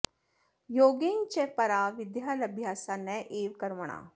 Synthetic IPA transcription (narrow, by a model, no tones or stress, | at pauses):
joːɡent͡ʃɛpɐɾaʋɪd̪jaːlɐbʱjaːsanɛʔeːʋkɐɾməɳ̃a̰ː